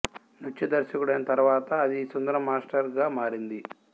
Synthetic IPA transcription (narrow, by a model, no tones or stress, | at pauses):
nut͡ʃt͡ʃːid̪ɐɾʃɐkuɽɐjnɐt̪ɐɾuʋaːt̪ɐːd̪isond̪ɐɾɐmːaːsʈɐɾɡaːmaːɾind̪i